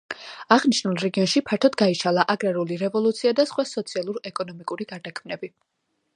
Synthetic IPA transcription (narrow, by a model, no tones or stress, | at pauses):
aʁniʃnulˠɾɛɡiɔnʃipʰaɾt̪ʰɔd̪ɡaiʃalˠaʔaɡɾaɾuliɾɛvɔlˠut̪sʰiad̪asχwasɔt̪sʰialˠuɾɛkʼɔnɔmikʼuɾiɡ̥aɾd̪akʰmnɛbi